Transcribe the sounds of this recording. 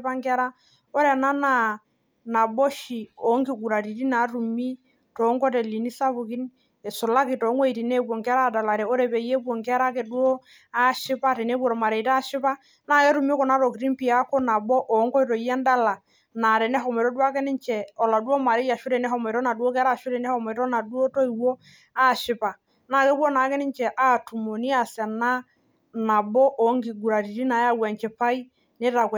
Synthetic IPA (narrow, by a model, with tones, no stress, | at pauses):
pa˦ŋkɛ˦ɾa˦ | o˦ɾɛ˨na˦na˨ | na˨bɔ˦ʃi˨o˨˦ŋki˨ɡu˨ɾa˨ɾi˨ti˦na˨˦ɾu˨mi˦ | tɔ˨˦ŋkɔ˦tɛ˨li˨ni˦sa˦βu˨ki˦n | ɛ˨sʊ˨la˦kɪ˨tɔ˨˦ŋwo˦i˨ti˨ne˦bwo˨ŋkɛ˦ɾa˦˨da˨la˨ɾɛ˨o˦ɾɛ˨bɛ˨jɛ˦bwo˨ŋkɛ˦ɾa˦ke˨du˦o˦ | a˦ʃɪ˦pa˦tɛ˨ne˦bo˦ɾɔ˨ma˨ɾɛ˨ta˦ʃɪ˦pa˦ | na˨kɛ˦ɾu˨mi˦ɔ˦kɔ˨na˨˦ɾo˨ki˨ɾi˦npi˨a˦ko˦na˨bɔ˦ʔo˨˦ŋkɔ˦i˦to˨jɛ˦nda˦la˨ | na˨ɾɛ˨nɛ˦ɦɔ˨m˨to˦du˦a˦kɛ˦nɪ˦nt͡ʃɛ˨ɔ˨la˨du˦o˦ma˨ɾe˦ja˨ʃu˦ɾɛ˨nɛ˦ɦɔ˨mɔ˨ɾɔ˦na˨du˦o˦k̬ɛ˦ɾa˦˨ʃu˦ɾɛ˨nɛ˦hɔ˨mɔ˨tɔ˦na˨du˦o˦to˦i˨wo˦ | a˦˨ʃɪ˨˦pa˨ | na˦˨kɛ˦pwo˦na˨˦kɛ˦nɪ˦ɲt͡ʃɛ˨ʔa˦tu˨mo˨ni˦a˨sɛ˨na˦ | na˨bo˦ʔo˨˦ŋɡi˨ɡu˨ɾa˨ti˨ti˦na˨ja˦wɛ˨ɲt͡ʃɛ˨pa˦i˦ | ne˦ta˨k